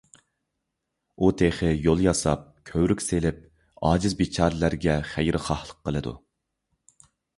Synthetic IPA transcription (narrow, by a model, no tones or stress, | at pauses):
ut̪ʰeχɪjolˠjɑsɑp̚kʲʰøwɾykʲselɪp̚ | ɑːd͡ʒɪzbet͡ʃʰɑɾlæɾɡʲɛχæjɾʔɪχɑhlˠəqʰːəlˠɨd̪ṵ